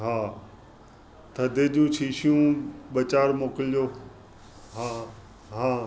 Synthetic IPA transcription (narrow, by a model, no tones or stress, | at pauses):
ɦãː | t̪ʰɐd̪ʱed͡ʑũːt͡ɕʰiːɕijũɓɐt͡ɕaːɾmoːkɪld͡ʑoː | ɦãː | ɦãː